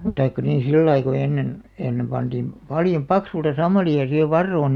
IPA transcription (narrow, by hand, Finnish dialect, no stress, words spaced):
tɑikːɑ niː silːɑi ko enːen enːem b̥ɑnd̥iːm pɑljom̆ pɑksultɑ sɑmːɑliɑ siːheʋ ʋɑrːoːn